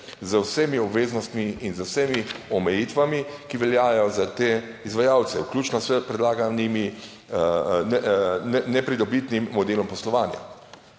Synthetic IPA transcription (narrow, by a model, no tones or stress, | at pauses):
zəwsemiɔbʋeːznɔst̪miinzəwsemiɔmɛjiːt̪ʋamikiʋɛljaːjɔzat̪eːizʋajaːwt̪sɛwklʲjuːt͡ʃnɔsɛpɾɛd̪laːɡanimi | nɛnɛnɛpɾid̪ɔbit̪nimːɔd̪eːlɔmpɔslɔʋaːnja̰